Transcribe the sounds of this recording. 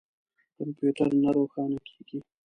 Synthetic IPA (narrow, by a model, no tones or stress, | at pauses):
kampjuʈəɾnaɾoːxɑːnakʰe̥ːɡ̥i